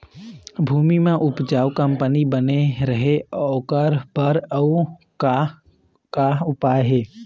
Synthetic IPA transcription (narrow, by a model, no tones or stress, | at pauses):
bʱuːmimẽʔʊpd͡ʒaːwkə̃mpənibəneɾəɦeɔːkəɾbəɾəu | ka | kaʊpaːjɦeː